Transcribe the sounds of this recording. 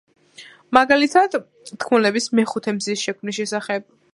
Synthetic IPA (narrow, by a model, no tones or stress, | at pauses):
maɡalit̪ʰad̪̥ | t̪kʰmulɛbismɛχut̪ʰɛmzisʃɛkʰmnisʃɛsaχɛb̚